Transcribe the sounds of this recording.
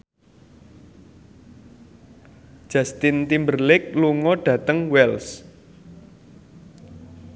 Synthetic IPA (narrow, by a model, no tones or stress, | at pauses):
ʒ̥ast̪ɪnt̪imbərlɪk̚luŋɔɖ̥ä̤t̪əŋwɛls